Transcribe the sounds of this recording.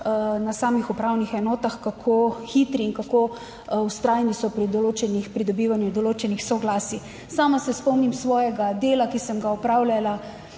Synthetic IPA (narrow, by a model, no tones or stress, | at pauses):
nasaːmixupɾaːwnixɛnɔːt̪axkakʰoxit̪ɾiːnkakoː | wst̪ɾaːjnisɔpɾid̪ɔloːt͡ʃɛnixpɾid̪ɔbiːʋanjud̪ɔloːt͡ʃɛnixsɔɡlaːsi | saːmasɛspɔmnimsʋɔːjɛɡad̪eːlakisəmɡaɔpɾaːwlʲjala